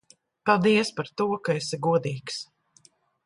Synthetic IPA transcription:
palˠd̪iɛspaɾt̪uɔkaeseɡuɔd̪iːks

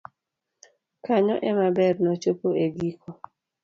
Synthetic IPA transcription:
kaɲɔ̰ʔɛmabɛrnɔt͡ʃopoeɡikʰɔ

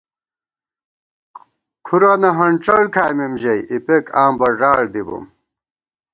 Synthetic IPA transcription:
kʰuɾɐnɐɦɐɳʈ͡ʂɐɽkʰaːjmemʑɐjʔipekaːmbɐɖaːɭd̪ibṵm

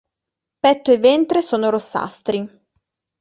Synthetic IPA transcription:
pɛt̪ːoevɛnt̪ɾesoːnoɾosːa̰st̪ɾi

